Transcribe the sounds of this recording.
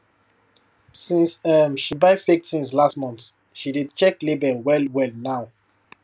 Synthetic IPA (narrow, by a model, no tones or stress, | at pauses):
sĩnsʌmʃibaɪfek̚tʰĩnslastmɔ̃nθ | ʃididt͡ʃɛklebɛlwɛlwɛlnaʊ